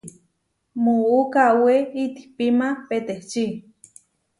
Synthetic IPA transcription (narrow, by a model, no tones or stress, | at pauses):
muukaweit̪i̥hpimapet̪eht͡ʃi